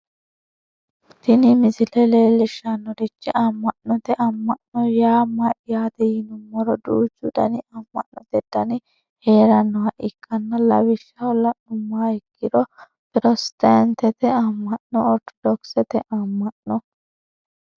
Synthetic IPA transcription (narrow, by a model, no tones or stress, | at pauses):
t̪ɪnɪmɪsɪlɛleːlɪʃːɐnːɔɾɪt͡ʃːɪʔɐmːɐʔnɔt̪ɛʔɐmːɐʔnɔjaːmɐʔɪjaːt̪ɛjɪnʊmːɐɾɔd̪uːt͡ʃːʊd̪ɐ̰nɪɐmːɐ̰ʔnɔt̪ɛd̪ɐnɪ | heːɾɐnːɔhɐʔɪkʰːɐnːɐlɐ̰wɪʃːɐɔlːɐnʊmːaːɛkːɪd̪ɔ | pɪɾɔst̪ɐnt̪ɛt̪ɛamːɐʔnɔɔɾt̪ɔ̥d̪ɔksɛt̪ɛʔɐmːɐʔnɔ